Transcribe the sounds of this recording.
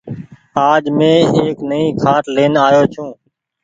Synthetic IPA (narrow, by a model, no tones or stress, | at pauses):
aːd͡ʒmẽːeːknəĩːkʰaːʈleːnaːjoːt͡ʃʰũː